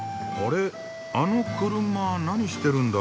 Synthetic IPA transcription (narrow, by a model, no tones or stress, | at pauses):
oɾe | anukːɯɾumːananiʃi̥t̪eɾund̪a